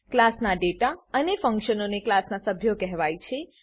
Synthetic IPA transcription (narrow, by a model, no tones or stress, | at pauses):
klasnaɖeʈaənefə̃ŋkʃənoneklasnasəbʱjokɛɦʋajt͡ʃʰe